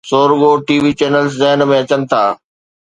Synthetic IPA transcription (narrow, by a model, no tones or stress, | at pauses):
soːɾɡoʈiːʋiːt͡ɕɛːnəlszɛɦnmẽɐt͡ɕənɪ̆t̪ʰaː